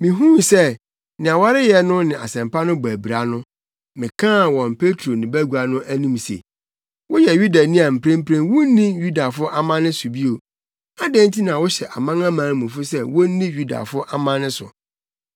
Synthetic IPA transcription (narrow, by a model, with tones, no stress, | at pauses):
mĩ˨ɦũ˦˨sɛ˦˨ | nɪ̃˨a˨wa˦ɾɪ˦jɛ˦nʊ̃˦nɪ̃˨ʔa˨sɛ̃˨mpa˦nʊ̃˦bæ˨bi˨ɾa˨˦nʊ̃˦ | mɪ̃˨kʰã˦˨wɔ̃˨npʰe˦tʰɾo˨nɪ̃˨bæ˦ɡu˨a˨nʊ̃˦ʔæ˦nĩ˦msḛ˨ | wʊ˦jɛ˨ɥu˦da˨nĩ˦a˨m̩˨pʰɾẽ˦m˦pʰɾẽ˦nwʊ˦nĩ˦ju˦da˨fʊ˦ɔ˦ʔa˦mã˦nɪ̃˦sʊ˨bi˦o˨ | a˦dɛ̃˦ntʰi˦nã˨wʊ˦ɕɛ˨ʔa˨mã˦ŋã˦mãː˨˦mũ˨fʊ˦sɛ˦wo˦nĩ˦ɥu˦da̰˨fʊ˦ɔ˦ʔa˦mã˦nɪ̃˦sʊ̰˨